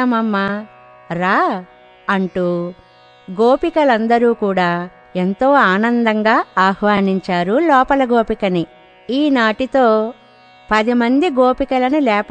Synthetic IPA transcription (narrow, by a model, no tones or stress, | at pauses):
ɐmɐmːɐ | ɾaː | ɐɳʈu | ɡoːpikɐlɐnd̪ɐɾuːkuːɽaː | ent̪oːaːnɐnd̪ɐŋɡaːaːhʋaːniɲt͡ʃaːɾulɔːpɐlɐɡoːpikɐni | iːnaːʈit̪o̞ː | pɐd̪imɐnd̪iɡoːpikɐlɐnulɛːp